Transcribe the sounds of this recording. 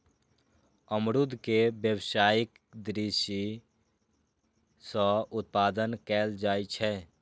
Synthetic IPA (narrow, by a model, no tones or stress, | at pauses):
əmɾʊd̪ʱkebjəwsaːjɪk | d̪ɾiʃi | sɔ̃ʊt̪̚paːd̪ənkɛːld͡ʒaːit͡ʃʰɛ